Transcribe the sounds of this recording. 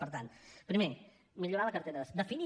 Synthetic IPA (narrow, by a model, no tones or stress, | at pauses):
pəɾt̪anpɾime | miʎuɾaləkəɾt̪eɾəəsd̪əfini